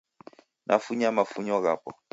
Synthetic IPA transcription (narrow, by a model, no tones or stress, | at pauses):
nʔa̰fuɲamafuɲɔɣapɔ